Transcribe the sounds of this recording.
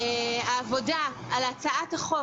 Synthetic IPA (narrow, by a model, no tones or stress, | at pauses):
eaːvo̞daalat͡saʔathaχo